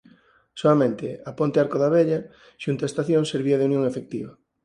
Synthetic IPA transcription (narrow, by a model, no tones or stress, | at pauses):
soamẽnt̪ɪapont̪eaɾkoðaβeʎɐ | ʃunt̪aest̪aθjõŋseɾβiɐðeunjõŋefek̚t̪iβɐ